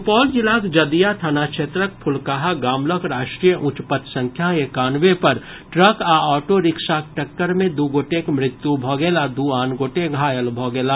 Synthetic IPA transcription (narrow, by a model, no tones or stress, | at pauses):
pɔːld͡ʒɪlaːt̪d͡ʒɐd̪ijat̪ʰanaːkʃʰeːt̪ɾək̚pʰʊlkaɦaɡaːmləkɾaːʃʈɾijəʔʊ̃t͡ʃpət̪sɐ̃ŋkʰjaekaːnʋepɐɾ | ʈɾəkaɔːʈoɾɪkʃak̚ʈɐkːəɾmẽd̪uːɡoːʈekmɾɪt̪ːjubʱɔːɡeːlad̪uːaːnɡoːʈeɡʱaːjəlbʱɔːɡeːlaː